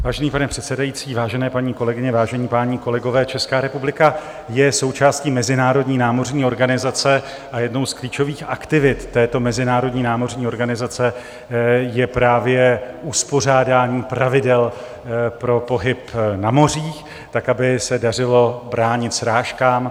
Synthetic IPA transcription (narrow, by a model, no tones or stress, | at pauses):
vaːʒɛniːpanɛpr̥ɛt̪sɛdajit͡siːvaːʒɛnɛːpaɲiːko̞lɛɡɪɲɛvaːʒɛɲiːpaːɲiːko̞lɛɡo̞vɛːt͡ʃɛskaːɾɛpublɪka | jɛso̞wt͡ʃaːsciːmɛzɪnaːɾo̞dɲiːnaːmo̞rɲiːo̞ɾɡanɪzat͡sɛ | ʔajɛdno̞wskliːt͡ʃo̞viːxa̰kt̪ɪvɪt̪ːɛːt̪o̞mɛzɪnaːɾo̞dɲiːnaːmo̞rɲiːo̞ɾɡanɪzat͡sɛ | jɛpɾaːvjɛʔuspo̞r̝aːdaːɲiːpɾavɪdɛl | pɾo̞po̞ɦɪpnamo̞riːx | t̪akabɪsɛdarɪlo̞bɾaːɲɪt̪sɾaːʃkaːm